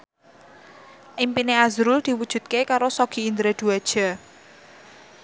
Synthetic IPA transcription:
ʔimpineazɾʊld̪̥i̤wud̥ʒ̥ṳt̪̚kekaɾosɔɡ̥i̤ind̪ɾed̪̥uad̥ʒ̥a̤

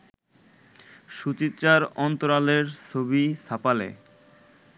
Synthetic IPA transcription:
ʃut͡ɕit̪ːt͡ɕaɾɔnt̪oɾaleɾt͡ɕʰobisapalḛ

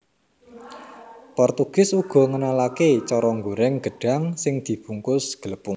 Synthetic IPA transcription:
pɔrt̪uɡ̥ɪsuɡ̥ɔ̤ŋənalaket͡ʃɔɾɔŋɡuɾɛŋɡ̥ə̤ɖ̥a̤ŋsɪŋd̪̥i̤b̥uŋkʊsɡ̥ələpʊŋ

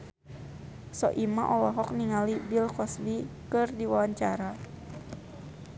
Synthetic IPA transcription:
sɔ̰ʔimaʔɔlɔɦɔk̚niŋalibilkɔsbikɨrdiwawaɲt͡ʃaɾa

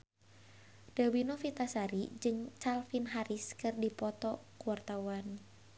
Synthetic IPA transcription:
d̥awinofit̪asaɾid͡ʒɨŋt͡ʃalfinɦaɾiskɨrdipɔt̪ɔkuwart̪awan

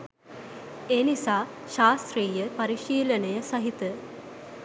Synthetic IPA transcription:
eːnisaː | ʃaːst̪ɾiːjəpɐɾiʃiːlənəjəsɐɦit̪ə

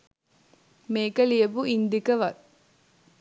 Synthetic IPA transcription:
meːkɐlijɐbuʔind̪ikɐʋɐ

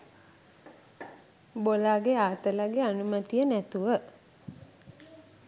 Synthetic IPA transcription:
bolaːɡeaːt̪əlaɡeanumət̪ijənæt̪uʋə

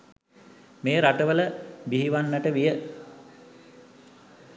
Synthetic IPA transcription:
meːɾaʈəʋələbiɦiʋanːəʈəʋijə

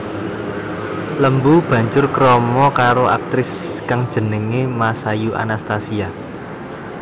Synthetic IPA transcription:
ləmbub̥ä̤ɲd͡ʒʊrkɾɔmɔkaɾoʔak̚t̪ɾɪskaŋd̥ʒ̥ə̤nəŋemasajuʔa̰nast̪asia

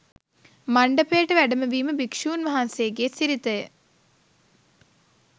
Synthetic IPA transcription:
mɐɳɖɐpːeːʈːɨʋɛɖɐmɐʋiːmɨbikʂuːnʋɐɦanseːk̬ːesiɾit̪ːɐj

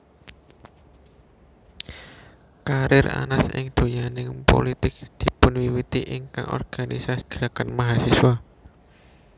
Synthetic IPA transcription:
kaɾɪra̰nasɪ̰ŋd̪̥o̤janɪŋpo̰lit̪ɪk̚d̪̥i̤pʊnwiwit̪iʔɪŋka̰ŋʔɔ̰rɡ̥anisasɡ̥ɾakanmaɦasiswa

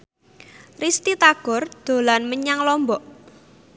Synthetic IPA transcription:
rist̪it̪aɡ̥ɔ̤rd̪̥o̤lanməɲaŋlɔmbɔʔ

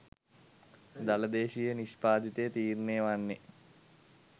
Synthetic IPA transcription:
d̪aləd̪eːʃijəniʃpaːd̪it̪ejət̪iːrneːʋanːe

